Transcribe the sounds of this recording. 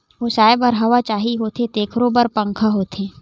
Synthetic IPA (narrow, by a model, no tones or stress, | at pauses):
ʋoːsaːebɔɾɦɐʋat͡ʃaːɦiɦoːt̪ʰet̪eːkʰɾobəɾpɐ̃ŋkʰaɦoːt̪ʰẽː